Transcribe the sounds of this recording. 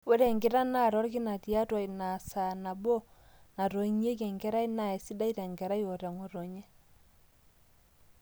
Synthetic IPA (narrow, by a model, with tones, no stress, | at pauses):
we˦ɾɛ˨ŋɡe˨ɾa˦na˦˨ɾɔ˦ɾɡi˦na˨ti˨a˦twa˨i˨na˨sa˨na˨bo˦ | na˨ɾo˨i˦ɲe˦kɛ˨ŋɡɛ˦ɾa˦i˦na˨ɛ˨si˦da˦i˦ɾɛ˨ŋɡɛ˨ɾa˦jo˨ɾɛ˨ŋo˨ɾo˨ɲɛ˦